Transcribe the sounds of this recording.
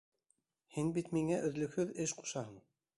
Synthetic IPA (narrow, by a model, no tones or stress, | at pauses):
hɘnbit̪miŋæʔɵ̆ðlɵ̆kɵðɘʃqʰu̥ʃɑɦɤɴ